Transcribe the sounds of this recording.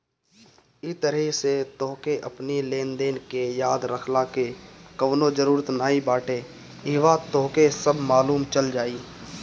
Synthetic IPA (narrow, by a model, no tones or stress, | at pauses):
ɪt̪əɾɛiset̪oːkeʔəpnilẽːnd̪eːnkejaːd̪ɾəkʰlakekəʋnod͡ʒəɾuːɾət̪naːibaːʈʰe | ɪʋat̪ɔːkesəbʱmaːluːmt͡ʃəld͡ʒaːiː